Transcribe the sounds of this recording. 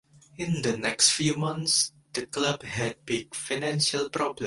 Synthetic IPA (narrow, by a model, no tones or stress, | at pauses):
ɪ̃ndənɛkstfjumãnts | d̥əklabhɛd̚bɪɡ̚fanɛ̃nʃəlpɹɔblə̃